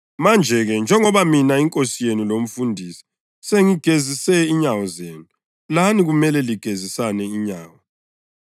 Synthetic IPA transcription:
mand͡ʒʱɛɣɛnd͡ʒʱɛŋɔβaminaiŋkʼosijenulom̩fundʱiːsi̥ | seŋiɡ̥ʱezisɛiɲawɔzeːnu | laniɣumɛlɛliɡ̥ʱezisanɛiɲaːwɔ

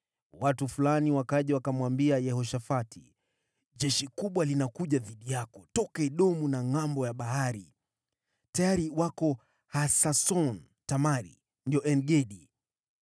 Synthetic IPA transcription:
watufulaniwakaʄɛwakamwambiajɛhɔʃafatʰḭ | ʄɛʃikuɓwalinakuʄaðiɗijakɔtɔkaɛɗɔmunaŋambɔjaɓaɦaɾḭ | tajaɾiwakɔ | hasasɔn | tamaɾḭ | ndiɔʔɛnɡɛɗi

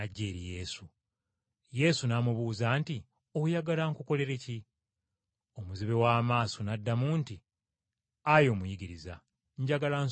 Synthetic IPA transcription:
aɟːeːɾije̞ːsu | je̞sunamuβuːzaːnti | o̞hujaɡalaŋkuko̞le̞ɾeci | o̞muziβe̞waːmaːso̞nadːamuːnti | ajo̞mujiɡiɾiza | ɲɟaɡalan

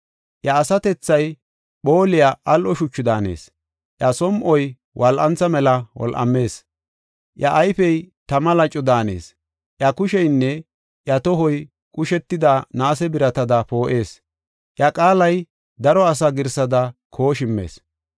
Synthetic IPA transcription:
ʔjɐːsɐt̪ɛt͡sːɐj | ɓo̞ːlɪjaʔɐlʔɔʃʊt͡ʃːɪd̪aːne̞̰ːs | ʔjɐsɔmʔɔj | wʔɐlʔɐnt͡sːɐmɛlɐwɔ̰lʔɐ̰mːe̞ːs | ʔjɐʔːjfɛjt̪ɐmɐlɐt͡ʃʼːɔd̪aːneːs | ʔjɐkʊʃɛjnːɛ | ʔjɐt̪ɔɦɔj | kʼʊʃɛt̪ːɪd̪anaːsɛbɪɾɐt̪ɐd̪ɐpo̞ːʔe̞ːs | ʔjɐkʼaːlɐj | d̪ɐɾɔɐs̬ɐɡɪɾsɐd̪ɐkʰoːʃɪmːḛːs

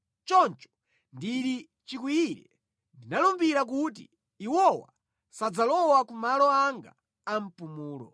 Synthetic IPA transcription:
t͡ʃɔnt͡ʃɔ̥ | ndiɾi | t͡ʃik̬wiiɾɛ | ndinalumbiɾak̬ut̬ḭ | iwɔwa̰ | sad͡zalɔwakumalɔaŋɡa̰ | am̩pumuːlɔ̰

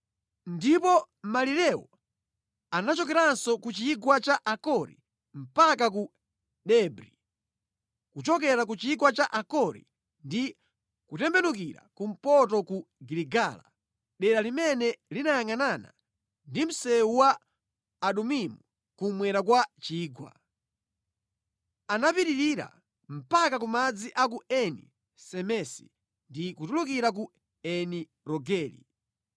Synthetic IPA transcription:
ndipɔ | maliɾɛwɔ̰ | anat͡ʃɔkɛɾansɔkut͡ʃiːɡwat͡ʃaʔakɔɾḭ | m̩pak̬aku | ɗɛbɾi | kut͡ʃɔkɛɾak̬ut͡ʃiikwat͡ʃaʔakɔɾḭ | ndi | kutɛmbɛnuk̬iɾa̰kum̩pɔtɔkuɡiliɡala̰ | ɗɛɾalimɛnɛlinajaŋanana̰ | ndim̩sɛuwaː | ɗumimu | kumwɛɾakwat͡ʃiːɡwa̰ | anapiɾiɾiɾa̰ | m̩pakakumad͡ziʔak̬uɛnḭ | sɛmɛsi̥̰ | ndikutuluk̬iɾak̬u | ɛni | ɾɔɡɛːlḭ

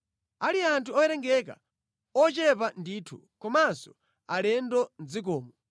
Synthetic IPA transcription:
aliantʰuɔjɛɾɛŋɡɛk̬a̰ | ɔt͡ʃɛpandiːtʰu | kɔmansɔ | alɛndɔnd͡zik̬ɔːmɔ

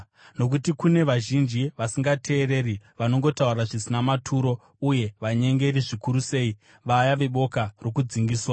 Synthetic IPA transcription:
no̞k̬utikune̞ʋaʒind͡ʒiʋasiŋɡatʰe̞ːre̞riʋano̞ŋɡo̞tauraʐisinamatʰuːɾo̞ | uje̞ʋaɲe̞ŋɡe̞riʐikuɾuse̞ːi | ʋajaʋe̞ɓo̞karokud͡ziŋɡiːswa

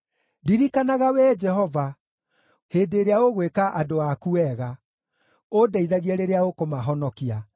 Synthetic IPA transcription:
diɾikanaɣawɛd͡ʒɛɦɔva | heːdeɾeaoɣwekaʔadoakuɛɣa | odaiðaɣiɛɾeɾeaokomaɦɔnɔkia

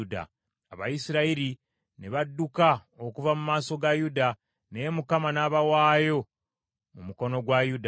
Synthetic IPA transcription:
da̰ | aβajisiɾaiɾi | neβadːukaokuvamumaːso̞ɡajuda | ne̞ːmukamanaːβawaːjo̞ | mumuko̞no̞ɡwajuda

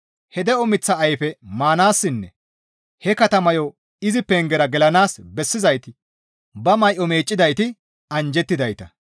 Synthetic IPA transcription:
hɛd̪ɛɔmɪt͡sːɐːjfɛmaːnaːsːɪnːɛ̰ | hɛkɐt̪ɐmɐjɔ | ɪzɪpɛŋɡɛɾɐɡɛlɐnaːsbɛsːɪzɐjt̪ɪ | bɐmɐjʔɔme̞ːt͡ʃʼːɪd̪ɐjt̪ɪ | ɐnd͡ʒɛt̪ːɪd̪ɐjt̪ɐ

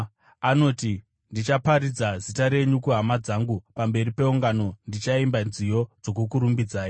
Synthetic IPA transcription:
ano̞ti | ndit͡ʃapaɾid͡zazitaɾe̞ɲukuɦamad͡zaːŋɡupambe̞ɾipe̞uŋɡano̞ndit͡ʃaimbanzijo̞d͡zo̞k̬ukuɾumbid͡zaːjo

